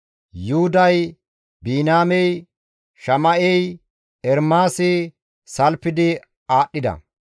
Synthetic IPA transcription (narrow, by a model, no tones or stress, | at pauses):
juhʊd̪ɐj | biːnaːmɛj | ʃɐmɐʔɛj | ɛɾmaːsɪ | sɐlpːɪd̪ɪ | aːɗːɪd̪ɐ̰